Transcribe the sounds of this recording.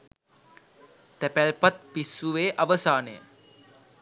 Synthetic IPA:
t̪æpælpat̪̚pisuʋeːʔaʋəsaːnəjə̰

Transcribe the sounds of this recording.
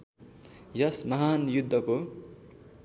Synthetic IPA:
jʌsmʌɦanjud̪ʱːʌko

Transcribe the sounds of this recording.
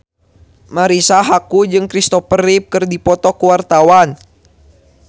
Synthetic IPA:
maɾisaɦakud͡ʒɨŋkɾist̪ɔpərip̚kɨrdipɔt̪ɔkuwart̪awan

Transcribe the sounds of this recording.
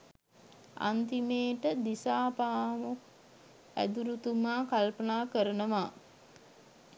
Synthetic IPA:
a̰nt̪imeːʈəd̪isaːpaːmuk | æ̰d̪uɾut̪umaːkalpənaːkəɾənəʋaː

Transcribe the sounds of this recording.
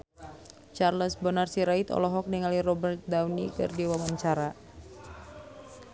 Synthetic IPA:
t͡ʃarləsbənarsiɾait̪ɔ̰lɔɦɔk̚niŋaliɾɔbərt̪̚d̪awnikɨ̰rdiwawaɲt͡ʃaɾa

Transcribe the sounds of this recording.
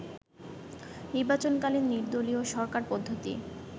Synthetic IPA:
niɾbat͡ɕonkalinːiɾd̪olioʃɔɾkaɾpod̪ʱːot̪ḭ

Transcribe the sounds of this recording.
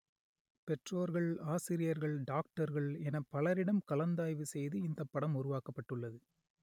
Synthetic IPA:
pɛʈroːɾɣɐɭaːsɪɾɪjɐɾɣɐɭɖaːk̚ʈɐɾɣɐɭɛnɐpːɐlɐɾɪɽɐmkɐlɐnd̪aːjʋɯsɛjðɯɪnd̪ɐpːɐɽɐmʊɾʊʋaːkɐpːɐʈːɯɭːɐðɯ

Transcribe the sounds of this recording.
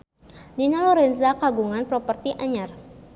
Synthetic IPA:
dinalɔɾɛnzakaɡuŋanpɾɔpərt̪iʔaɲar

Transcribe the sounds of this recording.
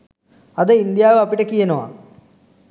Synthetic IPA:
ɐd̪əind̪ijaːʋəɐpiʈəkijɐnoʋa̰

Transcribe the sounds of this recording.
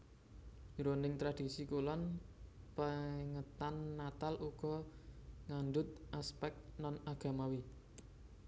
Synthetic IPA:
ɾonɪŋt̪ɾad̪̥i̤sikulɔnpəŋət̪anːat̪alʔuɡ̥ɔ | ŋanɖʊt̪̚ʔaspɛk̚t̪nɔnaɡ̥a̤mawi

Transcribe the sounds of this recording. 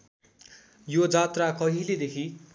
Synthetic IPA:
jod͡zat̪rakʌɦiled̪ekʰi

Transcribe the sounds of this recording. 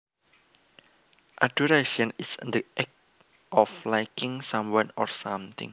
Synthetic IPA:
ʔaduɾeʃɔ̃nisnd̪əʔɛk̚ | ʔɔflajkɪ̃ŋsãmwãnɔ̰rsãmt̪ɪ̰̃ŋ

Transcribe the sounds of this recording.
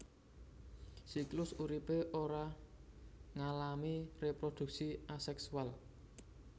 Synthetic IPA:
siklʊsuɾipeʔoɾa | ŋalamirepɾod̪̥ṳk̚siasɛksual

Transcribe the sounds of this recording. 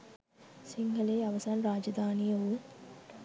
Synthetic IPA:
siŋɡɐleːɐʋɐsaːnɾaːd͡ʒɐd̪ʱaːnijɐʋu

